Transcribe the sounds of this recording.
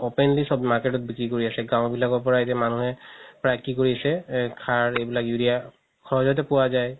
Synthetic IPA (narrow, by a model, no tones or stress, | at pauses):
opɛnlisɔbmaɹkɛtɔt̚bikɹikoɹiasɛɡãʊ̃bilakɔɹpɔɹaetɛmanuɦɛpɹajkikoɹiasɛkʰaɹejbilakjuɾia | kʰɔɦɔzɔt̬ɛpʊwazaj